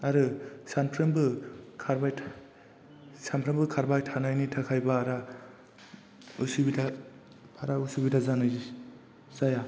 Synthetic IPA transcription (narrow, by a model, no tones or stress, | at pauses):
aɾɯsanpʰɾɯmbɯkʰaɾbajʰ | sanpʰɾɯmbɯkʰaɾbajtʰanajnitʰakʰajbaːɾa | usubida | pʰaɾausubidazanɯzi | saja